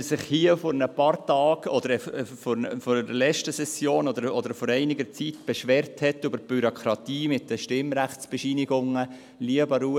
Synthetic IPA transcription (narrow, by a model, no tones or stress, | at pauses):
sɪχhiəfɔɾnəpɑɾtɑːɡ̥ɔd̪əɾɛfɔɾəfɔɾəlɛt͡ʃtəsɛsjoːnɔd̪əɾɔd̪əɾfɔɾɛɪnɪɡəɾt͡sitb̥ɛʃʋɛːɾthɛtːybəɾb̥yɾokʰɾɑt̪iːmɪtdəʃtɪmɾæχtt͡sb̥ɛʃiːnɪɡʊŋə | liəbəɾu